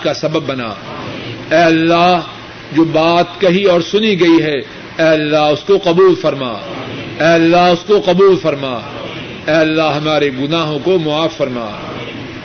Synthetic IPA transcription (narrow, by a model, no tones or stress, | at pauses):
kasɐbəbːɐna̰ː | ɛːɐlːaɦ | d͡ʒoːbaːt̪kɐɦiɔːɾsʊniɡɐiɦɛ | ɛːɐlːaɦʊskoqɐbuːlfɐɾma̰ːɛːɐlːaɦʊskoqɐbuːlfɐɾmaː | ɛːɐlːaɦɦɐmaːɾeɡʊnaːɦõkomʊaːfːɐɾma̰ː